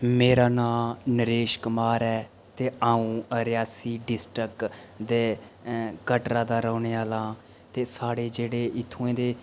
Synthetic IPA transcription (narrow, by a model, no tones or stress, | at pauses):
meːɾaːnãːnəɾeːʃkʊmaːɾɛː | t̪eːaːũːəɾɪjaːsiːɖɪsʈək | d̪eː | kəʈɾãːd̪aːɾəːneːaːlãː | t̪eːsaːɽeːd͡ʒeːɽeːʔɪt̪ʰːõːẽːd̪eː